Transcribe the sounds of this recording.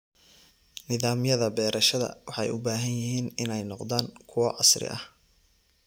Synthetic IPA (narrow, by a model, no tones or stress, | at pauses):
nɪðaːmjɐðɐbɛːɾʔɐʃɐðɐ̰wɑħɑjʔʊbaːɦɐnjɪɦiːnɪnɛjnɔqd̪aːŋkʰʊwɐʕɑsrɪ̰ʔɐh